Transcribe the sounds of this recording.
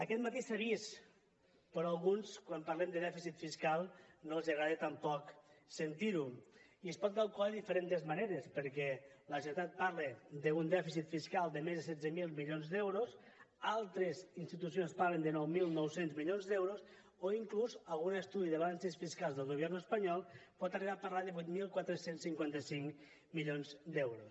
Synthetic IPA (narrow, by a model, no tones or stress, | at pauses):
əkɛt̪mat̪isəβis | pɾɔalˠɣunskwampaɾlɛmd̪əðɛfisit̪fiskalˠnolˠzəɣɾaðet̪ampɔksənt̪iɾuiəspɔt̪̚kalˠkulaðeðifəɾent̪əzmaneɾespəɾkɛləʒet̪at̪̚paɾled̪əund̪ɛfisit̪fiskalˠd̪əmezðəsɛd͡zəmilˠmiʎionzðɛwɾos | alˠt̪ɾezinst̪it̪usionspaɾlend̪ənɔwmilˠnɔwsenzmiʎonzðɛwɾos | oiŋkluzalˠɣunəst̪uðiðəβalansəsfiskalzðəlˠɣoβjɛɾnəspaɲɔlˠpɔt̪ariβ̞apəɾlaðəβujt̪milˠkwat̪ɾəsensiŋkwant̪əsiŋ | miʎonzd̪ɛwɾos